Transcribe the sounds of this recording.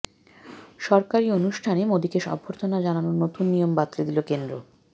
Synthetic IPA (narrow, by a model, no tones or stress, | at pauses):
ʃɔɾkaɾionuʃʈʰanemod̪ikeʃɔ̰bʱːoɾt̪ʰonad͡ʑananonot̪unːijombat̪ːlid̪ilokend̪ɾo̰